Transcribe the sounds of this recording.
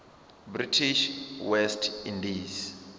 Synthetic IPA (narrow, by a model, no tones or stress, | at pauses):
britʰiʃwɛstʰindiz